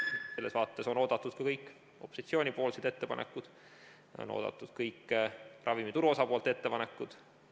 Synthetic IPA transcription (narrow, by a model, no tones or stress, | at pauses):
selːesvɑːt̪ːe̞so̞no̞ːd̪ɑt̪ːˑud̪̥̚kɑkɤjkːˑ | o̞pːˑosit̪sio̞ːnʲipo̞ːlsed̪̥e̞t̪ːe̞pɑ̰nḛkːˑud̪̥ | o̰no̰ːd̪̥ɑ̰t̪ːˑud̪̥kɤjkːrʔɑvimit̪uɾuo̞sɑpo̞ːlt̪e̞t̪ːe̞pɑnekːˑud̪̥